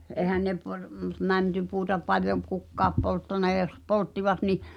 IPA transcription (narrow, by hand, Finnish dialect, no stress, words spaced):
ʔeˑhæn ne pɑr m mæntypuːtɑ pɑljom̆ p kukːɑːp poltːɑnɑ j̆ɑ jos poltːiʋɑt ni